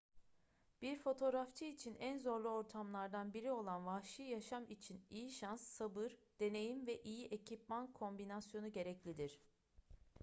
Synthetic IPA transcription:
b̥iɾfo̞t̪ʰo̞ɾaft͡ʃʰɯit͡ʃʰinænzo̞ɾlˠuo̞ɾt̪ʰamlˠaɾd̪anbiɾio̞lˠanvahʃɯjaʃamit͡ʃʰinijiʃansːabɯɾd̪̥e̞ne̞jimvɛʔijiʔecʰipmankʰo̞mbinasjo̞nuɟe̞ɾɛclʲid̪iɾ̥

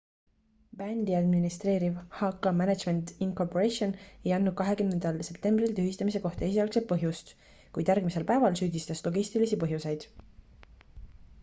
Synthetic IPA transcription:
b̥ænd̪̥iɑd̪minist̪re̞ːɾivhɑkːˑɑmænæd̪ʒme̞nt̪iŋko̞poɾesio̞ne̞jɑnːud̪̥̚kɑɦe̞kymne̞nd̪ɑlse̞pt̪e̞mbrilt̪yɦist̪ɑmise̞ko̞ht̪ɑe̞sʲiɑlkset̪̚pɤɦjust̪ | kujd̪jæɾɡ̥mise̞lpæevɑlsyːd̪ist̪ɑslo̞ɡisʲt̪ilisipɤɦjuse̞jd̪̥

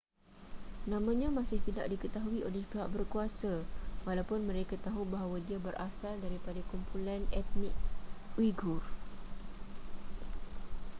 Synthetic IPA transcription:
nãmãɲãmãsɪht̪idaʔdikət̪aɦuiʔolɛhpiɦaʔ̚bərkuasawalawpʊnmə̃ɾekat̪aɦubaɦawadiabərʔasaldaɾipadakumpʰulanɛt̪̚nɪk̚wiɡʊr

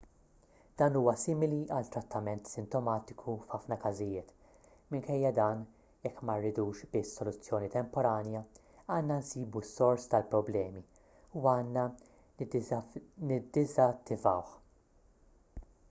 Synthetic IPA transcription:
d̪̥ɐːnuːwɐsɪːmɪliʔɐlt̪ːɾɐt̪ʰːɐmɛnt̪sɪnt̪ɔmɐːt̪ɪkʰufħɐfnɐkɐzɪjɪːt̪ | mɪŋkɛjːɐd̪ɐːn | jɛkːmɐrːɪd̪uːʃbɪsːɔlʊt͡sːjɔːnit̪ɛmpɔɾɐːnjɐ | ɐːnːɐnsiːbusːɔɾst̪ɐlpɾɔblɛːmi | uɐːnːɐ | nɪd̪ːɪzɐt̪ːɪvɐwħ

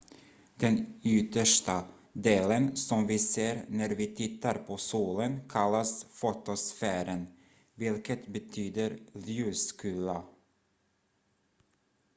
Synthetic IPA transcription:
d̪̥ɛnʏt̪əʂʈa | d̪eːlənsɔmvɪseːɾnæɾvɪt̪ʰɪt̪ʰːaɾpʰɔsuːlənkʰalːasfot̪ɔsfæːɾən | vɪlkət̪bɛt̪ʰyːd̪əɾljʉːskʉːla

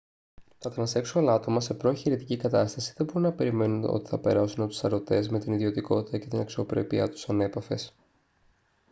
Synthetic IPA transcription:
kɐt̪ɐnɐse̞ksuɐlɐt̪o̞mɐse̞pɾo̞çiɾit̪i̥cikɐt̪ɐst̪ɐsi̥ðe̞bo̞ɾunɐpe̞ɾime̞nuno̞̰t̪i̥θɐpe̞ɾɐsunɐpot̪u̥sɐɾo̞t̪e̞zme̞t̪iniðio̞t̪iko̞t̪i̥t̪ɐce̞t̪inɐksio̞pɾe̞̰piɐt̪u̥sɐne̞pɐfe̞s

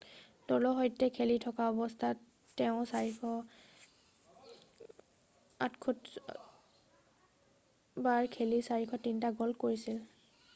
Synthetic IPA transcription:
dɔlɔɦɔjtɛkʰelitʰɔkaɔbɔstʰatː | ɛʊ̃saɹikʰɔ | atkʰut | baɹkʰelisaɹikʰɔtintaɡɔlkoɹisil

